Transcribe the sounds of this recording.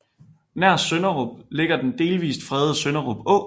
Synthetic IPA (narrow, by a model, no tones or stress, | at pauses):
næɐ̰ssønɐʁɔb̥le̝ɡ̥ɐd̥end̥e̝ːlʋḭːsd̥fʁɛðˠəsønɐʁɔ̽b̥ɔ̰̽ː